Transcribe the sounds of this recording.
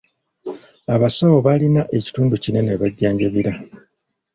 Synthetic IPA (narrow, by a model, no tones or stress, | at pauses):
aβasawoβalinaʔe̞ci̥tuːnducine̞neβaɟːaːɲɟaβiɾa